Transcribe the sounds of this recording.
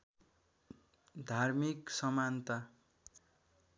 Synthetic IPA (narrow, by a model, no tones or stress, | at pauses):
d̪ʱarmiksʌmant̪a